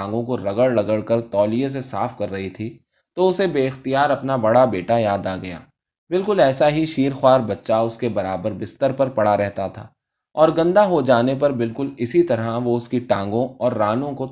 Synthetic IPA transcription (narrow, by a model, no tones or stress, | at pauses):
ŋɡõkoɾɐɡəɽlɐɡəɽkɐɾt̪ɔːlijes̬esaːfkɐɾːɐɦit̪ʰi | t̪oʊsebeːɪxt̪ijaːɾɐpnabɐɽabeːʈajaːd̪aːɡɐja̰ː | bɪlkʊlɛːsaɦiʃiːɾxwaːɾbɐtːʃaʊskebɐɾaːbəɾbɪst̪əɾpɐɾpɐɽaɾɛɦt̪at̪ʰa̰ː | ɔːɾɡɐ̃nd̪aɦod͡ʒaːnep̬ɐɾbɪlkʊlɪsit̪ɐɾəʋoʊskiʈãːŋɡõɔːɾːaːnõko